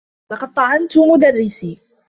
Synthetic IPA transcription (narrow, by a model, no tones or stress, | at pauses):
lɑqɑd̪̚t̪ˤɑʕɑnt̪ʊmʊd̪arːɪsiː